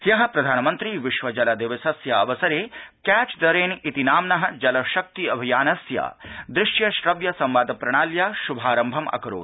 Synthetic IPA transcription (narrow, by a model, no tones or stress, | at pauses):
sjɐɦɐ̆pɾɐd̪ʱaːnɐmɐnt̪ɾiʋiʃʋɐd͡ʒɐlɐd̪iʋɐsɐsjɐɐʋɐsɐɾeːkæːt͡ʃd̪ɐɾeːnit̪inaːmnɐɦɐ̆d͡ʒɐlɐʃɐk̚t̪iɐbʱijaːnɐsja̰ːd̪ɾɪʃjɐʃɾɐʋjɐsɐmʋaːd̪ɐpɾɐɽ̃aːljaːʃubʱaːɾɐmbʱɐmʔɐ̰kɐɾo̰ːt̪